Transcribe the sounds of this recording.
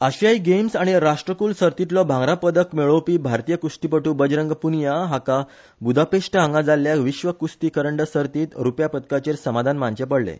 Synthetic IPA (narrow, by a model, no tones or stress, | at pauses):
əɕaiɡemsaɽ̃iɾaʂʈɾəkuːlsəɾt̪it̪lɔbʱãŋɡɾapəd̪əkmeɭəwpiːbʱaɾt̪ijəkusʈipəʈuːbəd͡ʑɾəŋɡpunjaɦaka | bud̪ʱapeʂʈəãŋɡad͡zalːjaʋiɕʋəkust̪ikəɾəɳɖəsəɾt̪iːt̪ɾupjapət̪kat͡ɕeɾsəmad̪ʱanmant͡ɕepəɽlḛ